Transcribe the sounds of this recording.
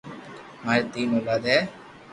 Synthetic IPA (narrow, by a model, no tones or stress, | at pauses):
maːɾet̪iːnoːlaːd̪ɛː